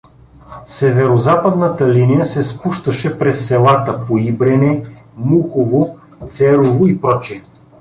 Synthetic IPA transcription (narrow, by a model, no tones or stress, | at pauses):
sɛvɛɾozapəd̪nət̪əlinijəsɛspuʃt̪əʃɛpɾɛsːɛlˠat̪əpoibɾɛnɛmuxovo | t̪sɛɾovoipɾɔt͡ʃiɛ